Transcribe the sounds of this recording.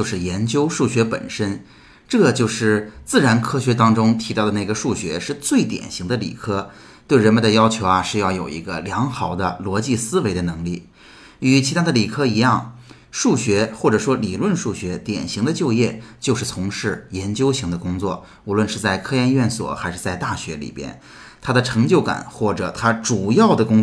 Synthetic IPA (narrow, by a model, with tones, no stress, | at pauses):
o˥˧ʊʂɻ̩˥˩jɛ˧˥nt͡ɕjo˥ʊʂu˥˩ɕɥɛ˧˥pə̰˨˩nʂə˥n | ʈ͡ʂɤ˥˩ɡə˩t͡ɕjo˥˧ʊʂɻ̩˥˩t͡sɹ̩˥˩ɻa˧˥nkʰɤ˥ɕɥɛ˧˥t̪ɑ˥ŋʈ͡ʂʊ˥ŋt̪ʰi˧˥t̪ɑ˥˩ʊd̪ə˩na˥˩ɡə˩ʂu˥˩ɕɥɛ˧˥ʂɻ̩˥˧t͡swe˥˩ɪt̪jɛ̰˨˩nɕi˧˥ŋd̪ə˧lḭ˨˩kʰɤ˥ | t̪we˥˩ɪɻə˧˥nmə˧ndə˧jɑ˥ʊt͡ɕʰjo˧˥ʊɐ˧ʂɻ̩˥˧jɑ˥˩ʊjo˨˩ʊi˧˥ɡə˧ljɑ˧˥ŋxɑ˨˩ʊd̪ə˦lwɔ˧˥t͡ɕi˥˩sɹ̩˥we˧˥ɪd̪ə˧nɤ˧˥ŋli˥˩ | y˨˧˩t͡ɕʰi˧˥t̪ʰa˥d̪ə˧li˨˩kʰɤ˥i˧˥jɑ˥˩ŋ | ʂu˥˩ɕɥɛ˧˥xwɔ˥˩ʈ͡ʂɤ˨˩ʂwɔ˥li˨˩lwə˥˧nʂu˥˩ɕɥɛ˧˥t̪jɛ̰˨˩nɕi˧˥ŋd̪ə˧t͡ɕjo˥˧ʊjɛ˥˧t͡ɕjo˥˧ʊʂ̬ɻ̩˥˩t͡sʰʊ˧˥ŋʂɻ̩˥˩jɛ˧˥nt͡ɕjo˥ʊɕi˧˥ŋd̪ə˧kʊ˥ŋt͡swɔ̰˥˩ | u˧˥lwə˥˧nʂɻ̩˥˧t͡sa˥˩ɪkʰɤ˥jɛ˥˧nɥɛ˥˩nswɔ̰˨˩˦xa˧˥ɪʂɻ̩˥˧t͡sa˥˧ɪt̪a˥˩ɕɥɛ˧˥lḭ˨˩pjɛ̰˥n | t̪ʰa˥d̪ə˨ʈ͡ʂʰɤ˧˥ŋt͡ɕjo˥˩ʊka̰˨˩˦nxwɔ˥˩ʈ͡ʂɤ̰˨˩t̪ʰa˥ʈ͡ʂu˨˩jɑ˥˩ʊd̪ə˩kʊ˥ŋ